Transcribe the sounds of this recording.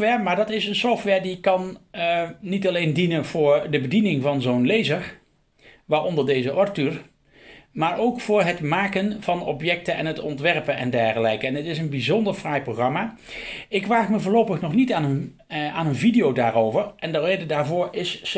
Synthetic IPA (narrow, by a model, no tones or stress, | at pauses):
ʋɛːɹmaːɹdɑtɪsənsɔftʋɛːɹdikːɑnː | itɑlejndinənvʊːɹdəbədinɪŋvɑnzownlejzəɹ | ʋaːɹɔndəɹdejzəʔɔɹtyɹ | maːɹʔowkfʊːɹɦətmaːkənv̥ɑnɔpjɛk̚tənɛ̰nɦətɔntʋɛɹpənɛ̰ndɛɹχəlɛjkəɛnətɪsənbizɔndəɹfraːjproxrɑmaː | ɪkʋaːχməvʊːɹlowpəχnɔχnitaːnən | aːnənvidijowdaːɹowvəɹʔɛndərejdədaːɹvʊːɹɪs